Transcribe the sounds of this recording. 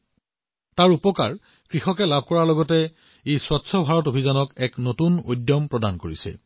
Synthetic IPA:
taɹupɔka̰ɹ | kɹixɔkɛlabʱkɔɹalɔɡɔtɛ | ejswatːsʰɔbʱaɹɔtobʱizanɔkɛknotuno̰jdjɔmpɹɔdankoɹisɛ̰

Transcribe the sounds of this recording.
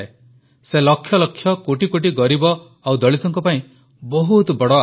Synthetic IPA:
e | selɔkʰːjɔlɔkʰːjɔkoʈikoʈiɡɔɾibɔ | awd̪ɔɭit̪ɔŋkɔpaĩ | bɔɦut̪ɔbɔɽɔa

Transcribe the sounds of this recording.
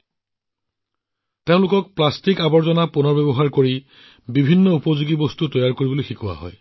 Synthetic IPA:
teʊ̃lʊkɔk̚plastikabɔɹzɔnapunɔɹbebɔɦaɹkoɹi | bibʱinːɔupɔzuɡibɔstutɔjaɹkoɹibɔlojxikuwa̰ɦɔ̰j

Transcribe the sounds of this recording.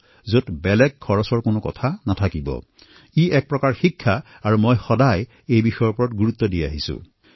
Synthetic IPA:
zotbɛlɛɡ̚kʰːɔɹɔsɔɹkonʊkɔ̰tʰanatʰakibɔ̰ | iɛk̚pɹɔkaɹxikʰːaː | ɹumojxɔdaj | ejbixɔjɔɹpɔɹɔtɡuɹut̪ːɔdia̰ɦisṵ̃

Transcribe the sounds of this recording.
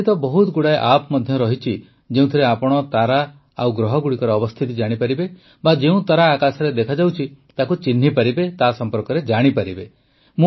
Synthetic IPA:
it̪ɔbɔɦut̪ɡuɽaeʔapmɔd̪ʱjɔɾɔɦit͡ʃʰi | d͡ʒeũt̪ʰiɾeapɔɽ̃ɔt̪aɾa | a̰wɡɾɔɦɔɡuɽikɔɾɔːbɔst̪ʰit̪id͡ʒaɽ̃ipaɾibe | bad͡ʒeũt̪aɾaːkasɔɾed̪ekʰad͡ʒawt͡ʃʰit̪akut͡ʃin̤ɦipaɾibet̪asɔmpɔɾkɔɾed͡ʒaɽ̃ipaɾibe | mũ

